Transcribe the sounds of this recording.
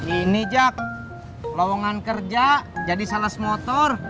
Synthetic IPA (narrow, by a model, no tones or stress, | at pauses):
inid͡ʒak̚ | lɔwɔŋankərd͡ʒad͡ʒadisalasmɔt̪ɔr